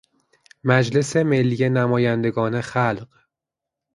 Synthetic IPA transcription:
mæd͡ʒle̞se̞me̞lːijenæmɒːjænd̪e̞ɡɒːnexælɢ

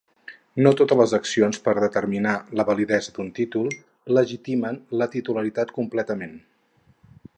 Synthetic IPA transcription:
not̪ot̪ələzəksionspəɾðət̪əɾminaləβəliðɛzəd̪unt̪it̪ulˠ | ləʒit̪imənlət̪it̪uləɾit̪at̪kumplɛt̪əmen

